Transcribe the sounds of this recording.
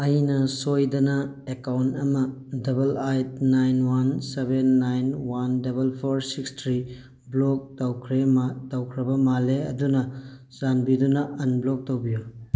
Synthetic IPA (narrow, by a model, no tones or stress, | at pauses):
ɐjnɐsojdɐnɐ | ekawntɐmɐdɐbɐlajtnajnwansebenːajnwandɐbɐlpʰoɾsikstʰɾi | blok̚tɐwkʰɾematɐwkʰɾɐbɐmaleɐ̰dunɐ | zanbidunɐɐnblok̚tɐwbiju